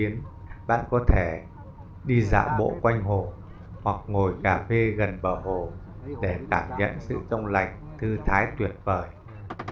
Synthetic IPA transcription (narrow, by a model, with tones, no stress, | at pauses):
i˨˦əm | ɓa̰ː˧˨nkɔ˨˦t̪ʰe˧˩ | ɗi˧za̰ː˧˨ɓo̰˧˥˨kwa˧jŋ̟ɦo˨˩ | hwa˨˩k̚ŋo˨˩jkaː˧˩fe˧ɣə˨˩nɓəː˨˩ɦo˨˩ | ɗe˧˩k̪aː˧˩mɲə̰˧˨nsɨ̰˧˨t͡ɕə˧wŋ͡mla̰˧˨jŋ̟t̪ʰɨ˧t̪ʰaː˨˦jt̪wi˨˩ət̚vəː˨˩j